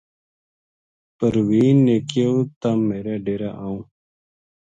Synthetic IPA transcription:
pəɾwiːnːeːkijot̪amːeːɾaːɖeːɾaʔaːũː

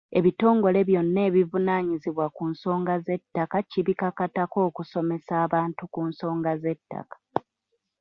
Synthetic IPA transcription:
e̞βito̞ːŋɡo̞le̞βjo̞nːe̞ːβivunaːɲiziβwakunso̞ːŋɡaze̞tːakaciβikakatako̞ːkuso̞me̞saːβaːntukuːnso̞ːŋɡaze̞tːa̰kḁ

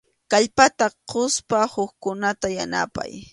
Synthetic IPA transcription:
kaʎpat̪aqʰʊspahʊkkʊnat̪ajana̰pa̰j

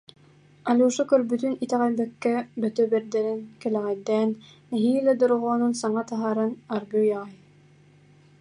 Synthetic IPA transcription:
alʲuːʃukœɾbyt̪ynit̪ɛʁɛlbɛkːɛbœt̪œbɛɾd̪ɛɾɛnkɛlɛʁɛd̪ɛːnː | ɛɦiːlɛd̪oɾʁɔːnunsaɴat̪aɦaːɾɯnaɾɡyjaʁɑj

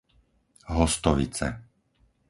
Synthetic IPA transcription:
ɦɔst̪ɔʋḭt͡sɛ̰

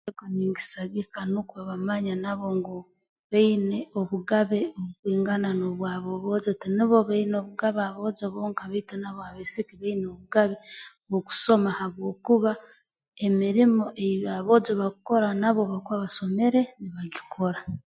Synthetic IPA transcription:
eɡoɲiːŋɡi̥saɡikanukweβamaɲanaβo̞ŋɡo | βeineoβuɡaβeoβukwiːŋɡananoβwaːβoβoːd͡ʒotiniβo̞βainoβuɡaβaβo̞d͡ʒoβoːŋkaβaitenaβohaβesikiβainoβuɡaβe | βoku̥so̞mahaβwo̞ːkuβa | emiɾimo̞ʔeβaβod͡ʒoβakuko̞ɾanaβoβakwaβaso̞me̞ɾe̞niβaɡikʰo̞ɾa

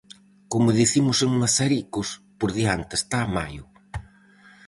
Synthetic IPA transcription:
komʊðiθimʊseŋmasaɾikʊs | poɾðiant̪ɪest̪aːmajʊ

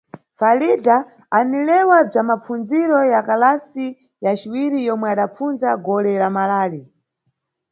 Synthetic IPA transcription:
falidaː | nilɛwab͡ʐamap͡fund͡ziɾɔjakalasi | jat͡ʃiwiɾijɔmwɛaɗap͡funzaɡɔlɛlamalaːli

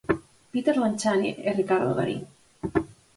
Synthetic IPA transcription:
pit̪eɾlant͡ʃanḭʔerikaɾðoɣa̰ɾḭn

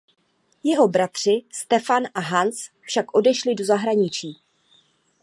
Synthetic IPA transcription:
jɛɦo̞bɾat̪r̝̥ɪst̪ɛfanʔaɦant͡s | fʃakʔo̞dɛʃlɪdo̞zaɦɾaɲɪt͡ʃiː

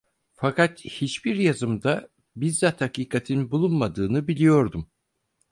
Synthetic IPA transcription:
fakat̪hit͡ʃbiɾjazɯmd̪a | bizːat̪hakiːkʰat̪ʰinbulˠunmad̪ɯːnɯbilʲijo̞ɾd̪um

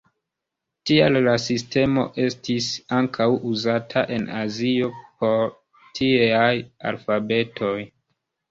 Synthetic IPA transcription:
tialːasiste̞mo̞̰ʔe̞stisaŋkʰawuzatʰaʔe̞nazio̞po̞ɾ | tʰiaja̰lfabe̞tʰo̞j

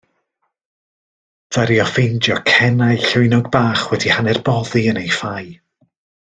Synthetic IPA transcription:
v̥aɾiɔfejndjɔkʰɛnajɬʊwjnɔɡ̚baːχwɛdihanɛrbɔðiənejfaj

